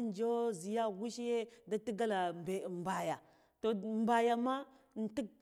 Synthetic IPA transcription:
n˦d͡ʒo˦zi˨ja˦ɡu˦ʃi˦je˦da˦ti˦ɡa˦la˨be˨m˨ba˨ja˨ | to˨m˨ba˨ja˨ma˦˨n̩˨ti˦k̚

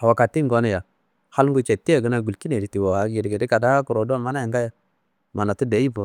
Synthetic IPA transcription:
a˨wa˨ka˨tːi˦ŋɡo˦na˦˨ja˨ | ha˦lŋ˦ɡu˦t͡ʃe˨tːi˦a˨ɡə˦na˨ɡu˨lki˦ne˨di˨ti˨wo˨wa˨ɡi˨dɡe˨di˦ka˨da˦ku˨ɾo˨du˦a˦˨ma˦na˦ja˨ŋɡa˦ja˦ | ma˨na˨tu˦de˨˦i˦po˨

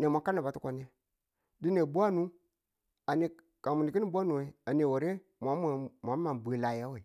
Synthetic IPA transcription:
ne˨ma˨ka˦ne˨ba˨tu˦ko˨n˦e˦ | di˦ne˨bu˦a˦nu˦ | a˨ni˨ | ka˨mu˨ni˨ki˦ni˦˨bʷa˦nu˨we˨˦a˨ne˨wo˨ɾe˦ | mʷ˨a˨˦m˦˨m˨a˨˦ma˨nbu˨e˨la˨ja˦we˨

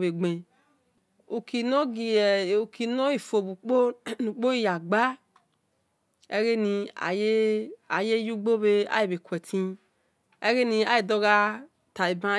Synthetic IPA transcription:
be˨ɡ͡be˨ | u˨kʰi˨no˦ɡi˨ɛ˨u˨ki˨no˦i˨fo˨bu˨k͡po˦nũ˨k͡po˦i˦ja˨ɡ͡ba˦ | ḛ˦ɡe˦nĩ˨a̰˨je˦a˨je˦ju˦ɡ͡bo˦be˦a̰˦je˨be˨kwɛ˨tʰĩ˦ | e˦ɡe˦nĩ˨a˦je˨dɔ˦ɡa˦ | ta˨i˨bã˦

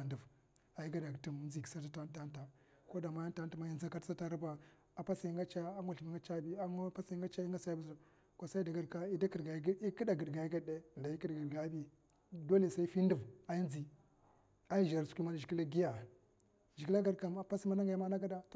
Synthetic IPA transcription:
a˨ndu˨v | a˨ji˦ɡa˦da˨ɡti˦m˦nzi˨ki̥˨˦sa˦ta˦ta˦n˦ta˦nta˨ | ko˦da˨ma˦ja˦nta˦nta˨ma˦ja˦n˦za˦ka˦tsa˦ta˦ɾu˦ba˨ | a˨pa˦sa˨i˦ŋɡa˦t͡ʃa˦a˦ŋɡu˨ɬi˨mi˦ŋɡa˦t͡ʃa˦bi˦a˦pa˦sa˨i˦ŋɡa˦t͡ʃa˦i˦ŋɡa˦sa˦i˦bu˦zu˨ | ko˦sa˦i˦da˨ɡa˨ɾka˨i˦da˦ki˨ɾɡa˨˦i˦ki˦da˨ɡə˨dɡa˨i˦ɡa˦de˦˨da˨ji˦ki˦dɡi˨ɾɡa˨˦bi˦ | do˦le˨sa˦i˦fi˦ndu˨va˨ji˦nd͡zi˨ | a˦ji˦ʒa˨ɾsu̥˨˦kʷu˦ma˦n˨d͡ʒi˨ki˦la˦ɡi˦ja˨ | ʒi˨ki˦la˦ɡa˦ɾka˨ma˨pa˦sma˦na˦ŋɡa˨˦ma˦na˦ɡa˦da˨t

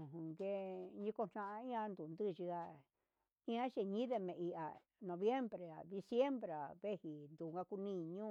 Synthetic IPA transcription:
ɦũ˨ŋɡe˦ɲĩ˦ko˧n̥ã˦ʔĩ˦ã˧nd̪u˨nd̪ɨ˦˨˧ʒi˧a˧ | ĩ˦ã˦ʃe˧ɲĩ˦ðe˧mẽ˨ʔi˧ʔa̰˨ | nõ˧βje˦mbɾe˨a˨d̪i˧sje˦mbɾe˨a˨βe˦hi˨nd̪u˨ŋɡa˧ku˧nĩ˦˧ɲũ˦

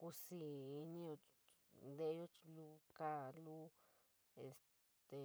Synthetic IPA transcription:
ku˧siː˧nĩ˦o˧ | nd̪e˧˦jo˦˧lu˦ka˦lu˦ | e˨s | t̪e˨

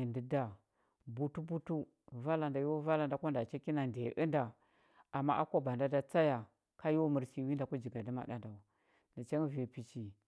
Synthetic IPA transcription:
i˨ndi˨da˨ | bu˦tu˦bu˦tu˦ | va˦la˨nda˨jo˦va˦la˨nda˨ko˦nda˨t͡ʃe˦ki˦na˨ndḛ˨ʔə˦nda˨ | a˨mːa˦ʔa˦ko˦ba˨nda˦da˦t͡sa˦ja˨ | ka˦jwo˦mu˨ɾsi˦wi˦nda˨ku˦d͡ʒi˨ɡa˨di˦ma̰˨ɗa̰˦nda˨u˨ | ndi˨t͡ʃe˦ŋ˦vi˨pi˨t͡ʃi˨

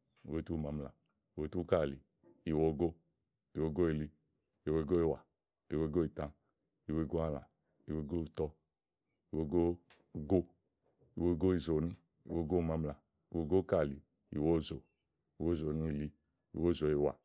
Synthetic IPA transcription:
i˨we˦tu˦˨ma˨mla̰˨ | i˨wo˦tu˦ka˦˨li˨ | i˨wo˦ɡo˦ | i˨wo˧˦ɡo˦i˨li˦ | i˨wo˧˦i˨ɡo˦i˦˨wa˨ | i˨wo˦ɡo˦i˨tã˦ | i˨wo˦i˨ɡo˦a˦˨la̰˨ | i˨wo˧˦ɡo˦i˨tɔ˦ | i˨wo˦ɡo˦ | ɡo˦ | i˨wo˦˧ɡo˦i˨zo˨ni˦ | ḭ˨wo˦ɡo˦˨ma˧˦mla˨ | i˨wo˧˦ɡo˦ka˦˨li˨ | ḭ˨wo˦˨zo˨ | i˨wo˦˨zo˨ni˦i˨li˦ | ḭ˨wo˦˨zo˨i˨wa̰˨

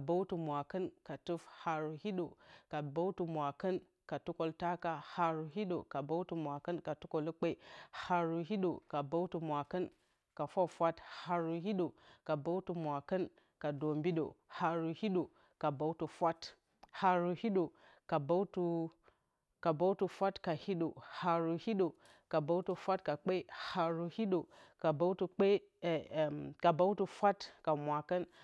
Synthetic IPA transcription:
ba˦wtu˨mʷ˨a˨kə˦nka˨tu˦fha˨ɾu˨hi˦ɗo˨ka˨ba˦tu˨mʷ˨a˨kə˦n | ka˨tu˦ko˨lta˦ka˦ha˨ɾu˨ɦi˦ɗo̰˨ka˨ba˦wtu˨mʷ˨a˨kə˦nka˨tu˦ko˨lu˦k͡pe˦i˨ha˨ɾu˨ɦi˦ɗo˨ka˨ba˦wtu˨mʷa˨kə˦n | ka˨fa˦˨fʷa˦tha˨ɾu˨ɦi˦ɗo˨ka˨ba˦wtu˨mʷ˨a˨kə˦n | ka˨do˨mbi˦ɗo̰˨ha˨ɾu˨hi˦ɗo˨ | ka˨ba˦u˦tu˨fʷa˦t | ha˨ɾu˨hi˦ɗo˨ | ka˨ba˦wtu˦ | ka˨ba˦wtu˨fʷa˦tka˨hi˦ɗo˨ha˨ɾu˨hi˦ɗo˨ | ka˨ba˦wtu˨fʷa˦tka˨k͡pe˦ha˨ɾu˨hi˦ɗo˨ka˨ba˦wtu˨k͡pe˦˨ | ka˨ba˦u˦tu˨fʷa˦tka˨mʷa˨kə˦n

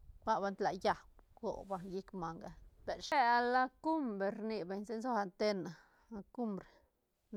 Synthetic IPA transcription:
ba˦ba˧nt̪la̰˨ja˨b̚ɡ̥o̰˨ba˧ji˦kma˨ŋɡa˨be˨ɾʃe˦a˧la˦ku˦mbɾe˨ɾni˨be˨ɲse˦nzo˦a˧nt̪e˦na˨˧ | ku˦mbɾe˨

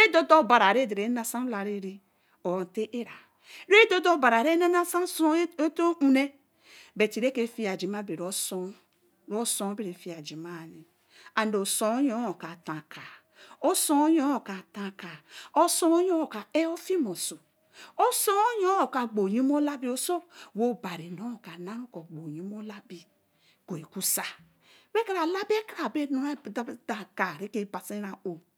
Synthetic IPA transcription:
ɾe˦do˦do˦˨ba˨ɾa˨ɾe˦˨de˨ɾe˨˦na˦sa˦la˨ɾi˦ɾi˦ | o˨n˨te˦ʔe˦ɾa˨ | ɾe˦do˦do˦ba˨ɾa˨ɾe˦ne˦na˦sa˦nso˦e˦to˦u˦ne˦ | be˨ti˨ɾe˦ke˦fi˦a˨d͡ʒi˨ma˦be˨ɾo˦so˦ | ɾo˦so˦be˦ɾe˨fi˦a˨d͡ʒi˨ma˦˨ni˨ | a˨n˦˨o˨so˨o˦ɲo˦o˨ka˨tã˨ka˨ | o˦so˦o˦jo˦o˨ka˨tã˨ka˨o˦so˦o˦jo˦˨ka˨e˦o˦fi˦mo˨so˨ | o˦so˦o˦jo˦o˨ka˨ɡ͡bo˨ɲi˦m˦o˦la˦bi˦o˨so˦wo˦˨ba˨ɾi˨no˦˨ka˨nã˦ŋ˦ko˨ɡ͡bo˨ɲi˦mo˦la˦bi˨ | ko˨i˨ku˦sa˨ | we˦ka˦ɾa˨la˦be˦kɾa˨be˦no˦a˦˨˦da˨ka˨ɾe˦ke˦ba˨se˦ɾa˨o˨

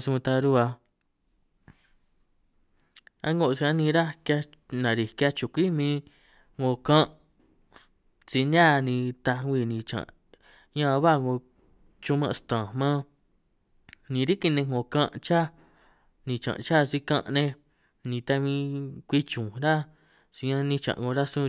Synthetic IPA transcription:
st̪a˧ɾu˧˦a˧ | a̰˦ŋɡo˧ʔsi˧ã˦nĩ˧ɾa˦ka˧ | nã˨ɾi˨kja˧t͡ʃũ˧˨kʷi˦mĩ˧ | ŋo˧˨kã˦ʔ | t͡si˧nã˦˧nĩ˧t̪a˧i˧˨nĩ˧˨t͡ʃã̰˨ | ɲã˦˧βa˦˨ŋɡo˧ | t͡ʃũ˧mã˧st̪ã˨mã˦ | nĩ˧ɾi˦ki˧nẽ˧ŋɡõ˨kã˦ʔt͡ʃa˦ | nĩ˨t͡ʃã̰˨˧t͡ʃa˦˨˧si˧kã˦˧ʔnẽ˧ | nĩ˨˧t̪a˧mĩ˧kʷi˦t͡ʃũ˨ɾa˦ | si˧ɲã˧nĩ˧t͡ʃã̰˨ʔŋɡo˧ɾa˦sũ˦˧

